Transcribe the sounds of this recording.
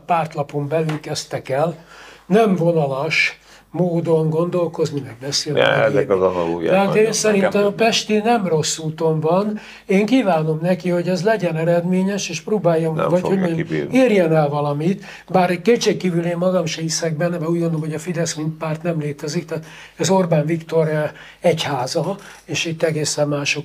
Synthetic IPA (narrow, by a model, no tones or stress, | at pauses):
paːrt̪lɒpo̞mbɛlylkɛst̪ɛkɛlnɛmvo̞nɒlɒʃ | moːd̪o̞ŋɡo̞nd̪o̞lko̞znimɛɡ̚bɛselɛ̰ɛɒn̰ɡt̪ɛaeːnsɛɾint̪ɛmpɛʃt̪inɛmro̞sːuːt̪o̞ɱvɒn | eːŋkiːvaːno̞mnɛkiho̞ɟɛzlɛɟɛnɛɾɛd̪meːɲɛʃeːʃproːbaːjːɔm̰vɒchoɟmeːiːrjɛnɛlvɒlɒmit̪ | baːɾkeːt̪t͡ʃeːkkːiːvyleːmmɒɡɒmʃɛisɛɡ̚bɛnːɛbɛuːɟɡond̪olomɦoɟɒfid̪ɛsmintpaːrt̪nɛmleːt̪ɛzikt̪aːt̪ | ɛzo̞rbaːnvikt̪o̞ɾ | ɛchaːzɒ | eːʃit̪ːɛɡeːsɛmːaːʃo̞k